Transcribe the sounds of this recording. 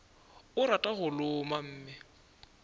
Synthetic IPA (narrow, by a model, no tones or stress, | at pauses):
ʊɾatʼaɣʊlʊmam̩ːmɪ